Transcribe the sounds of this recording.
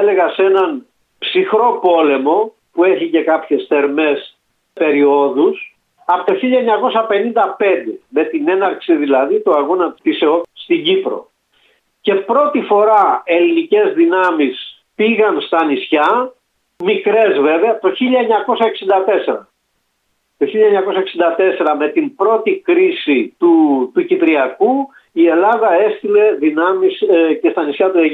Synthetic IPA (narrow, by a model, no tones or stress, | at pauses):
ele̞ɣɐse̞nɐn | psixɾo̞po̞le̞mo̞ | pue̞çice̞kɐpçe̞sθe̞ɾme̞s | pe̞ɾio̞ðus | ɐpot̪oçiʎɐeɲɐko̞sɐpe̞nind̪ɐpe̞nd̪e̞me̞t̪ine̞nɐɾksiðilɐðit̪oɐɣonɐt̪iseost̪iɟipɾo̞̰ | ce̞pɾo̞t̪ifo̞ɾɐe̞linice̞zðinɐmis | piɣɐnst̪ɐnisçɐ | mikɾe̞zve̞veɐt̪o̞çiʎɐɲɐko̞sɐeksind̪ɐt̪e̞se̞ɾɐ | t̪o̞çiʎːɐɲɐko̞sɐeksind̪ɐt̪e̞se̞ɾɐme̞t̪imbɾo̞t̪ikɾisit̪ut̪ucipɾiɐku | ie̞lɐðɐe̞st̪ile̞ðinɐmiscest̪ɐnisçɐt̪ue